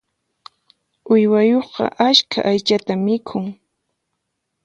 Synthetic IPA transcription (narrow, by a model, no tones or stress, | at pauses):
ʊjwajoχqɑ̰ʔaʃkʰa̰ʔajt͡ʃat̪amɪkʰʊŋ